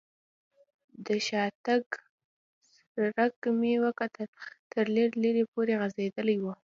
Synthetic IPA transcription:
d̪əʃɑt̪aɡ | s | ɾakmewakat̪t̪əɾleɾleɾepoɾeɣazed̪əlajwu

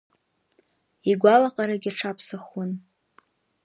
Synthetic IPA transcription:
iɡʷalaqʼaɾaɡʲaʈ͡ʂʰapʰsaχwʊn

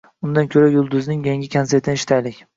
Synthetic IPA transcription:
ʊnd̪ankʲʰɵɾajʊlˠd̪ʊznɪŋjaŋʲɪkʲʰanseɾt̪ʰɪnɪʃt̪ʰajlɪkʲ

